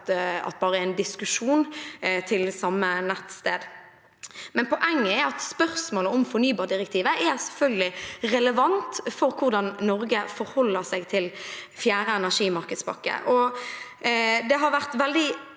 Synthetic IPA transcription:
ɑ̰t̪̚bɑːʁəɪnd̪ɪskʉʂuːnt̪ʰɪlsɑmːənɛt̪st̪eːd̪ | mɛnpʰɔʔɛŋːəɛɑt̪spœʁsmoːləɔmfɔɾnyːbɑːʁɖɪʁɛk̚t̪ʰiːʋəʔɛɾsɛlfœlɡəlɪʁɛləʋɑnt̪fɔɾkʰʊʁd̪ɑnnɔɾɡəfɔɾhɔlːəʁsɛɡt̪ʰɪl | fjæːɾəɛnæʂiːmɑʁkəd̪spɑ̰kːə̰ʔɔ | d̪ɛɦɑɾʋæʁt̪ʋɛld̪ɪ

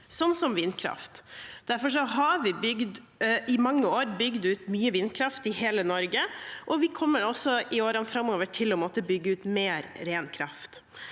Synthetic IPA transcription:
sɔnːsɔmʋɪnkʰɾɑ̰ft̪d̪̥æɾfɔʂ̬ɔɦɑɾʋɪbʏɡd̪ | ɪmɑŋːəoːɾbʏɡd̪ʉːt̪myːəʋɪnkʰɾɑft̪ɪheːlənɔɾɡəʔɔʋɪkʰɔmːəɾɔsːɔʔɪoːɾənfɾɑmːoːʋəʈʰɪlɔmɔt̪ːəbʏɡːəʉːt̪meːɾɾeːnkʰɾɑ̰ft̪

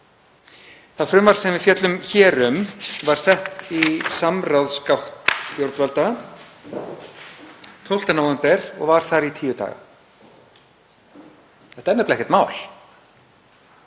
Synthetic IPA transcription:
θaðfɾʏmvaɾ̥sɛmvɪðfjɛt̪lʏmçɛːɾʏmvaɾ̥sɛht̪isamrawðskawht̪st̪jowɾt̪valt̪a | t̪ʰowl̥t̪anowvɛmpɛɾɔ̰ɣvaɾ̥θaɾit̪ʰiːjʏt̪a̰ːɣa̰ | ɛht̪aɛnːɛplaɛhcɛt̪maːwl̥

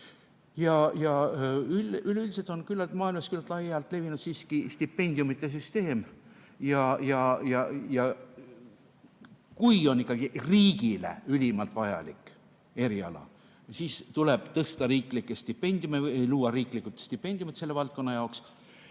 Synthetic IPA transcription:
jɑjɑylylylʲset̪o̞nkylːɑlt̪mɑːilmɑskylːɑt̪ːˑlɑjɑlt̪ːˑle̞vinud̪̥siːskist̪ipːe̞nʲd̪̥jumit̪ːˑe̞s̬yst̪e̞ːm | jɑjɑjɑjɑ | kujo̞nikˑːɑɡ̥iriːɡilḛylʲimɑlt̪vɑjɑ̰likːˑ | e̞ɾiɑ̰lɑ̰ | siːst̪ule̞b̥t̪ɤst̪ɑɾiːklikːˑe̞st̪ipːe̞nʲd̪̥ʲjumeejluːɑɾiːklikːˑut̪st̪ipːˑe̞nʲd̪̥jumit̪se̞lːevɑlt̪̚ko̞nːɑjɑoks

